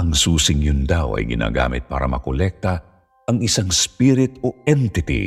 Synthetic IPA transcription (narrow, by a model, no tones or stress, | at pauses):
ɐŋsuːsɪŋjʊnd̪awʔɐ̰jɡɪna̰ːɡa̰ːmɪ̰t̪̚pa̰ːɾɐmɐkolɛk̚t̪ɐ | ɐŋɪsaŋspiɾɪt̪oɛnt̪ɪt̪ḭ